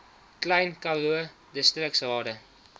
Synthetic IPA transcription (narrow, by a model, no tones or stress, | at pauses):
klɛjnkɐluə | dəstrəksɦɑːdə